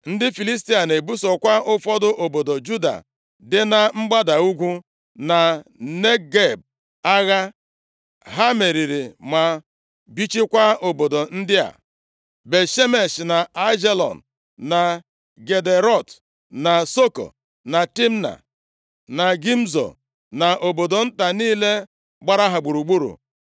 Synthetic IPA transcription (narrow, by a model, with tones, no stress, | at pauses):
n̩˦dɪ˦fi˨li˦s̬ti˦a˨ne˨bu˦sɔ˨kʷa˦ʊ˦fɔ˦dʊ˦ʔo˨bo˨do˨d͡ʒu˦da̰˨ | dɪ˦na˦ŋ͡m̩˦ɡ͡ba˦da˨u˦ɡʷu˦ | na˨ne˦ɡe˨b̚ | a˦ɣa˦ | ɦa˦me˨ɾi˨ɾi˨ma˨ | bi˦t͡ʃi˦kʷa˦o˨bo˨do˨n̩˦dɪ˦a̰˨ | be˨ʃe˦me˨sna˨a˦d͡ʒe˦lɔ̰˨n̩˨ | na˨ | ɡe˨de˨ɾɔ˦˨t | na˨so˦ko̰˨ | na˨ti˦m˦na̰˨ | na˨ɡi˦m̩˦zo̰˨ | na˨ʔo˨bo˨do˨n̩˦ta˨niː˦le˦ | ɡ͡ba˦ɾa˦ɦa˨ɡ͡bu˨ɾu˨ɡ͡bu˦ɾṵ˨